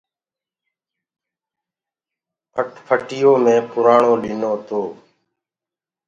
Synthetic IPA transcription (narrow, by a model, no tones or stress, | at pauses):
pʰəʈpʰəʈɪjoːmẽːpʊɾaːɳoːlɪːnoːt̪oː